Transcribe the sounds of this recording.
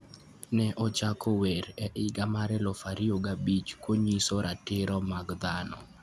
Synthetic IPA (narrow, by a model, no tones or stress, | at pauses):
nɛʔɔt͡ʃakʰoweɾɛʔɪɡamaɾɛlɔfaɾioɡabit͡ʃkwoɲisoɾʔatɪɾɔmaɡd̪anɔ̰